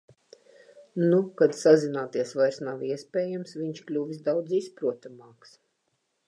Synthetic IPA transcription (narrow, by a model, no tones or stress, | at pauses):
nukad̪sazinaːt̪iɛsvajɾsnawiɛspʲɛːjamsvʲiɲʃklʲuvʲis̬d̪awd̪zispɾuɔt̪amɑːks